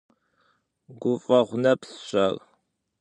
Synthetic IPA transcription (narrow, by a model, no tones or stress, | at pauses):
ɡʷʊfʼɐʁʷʊnɐpʰsɕɐr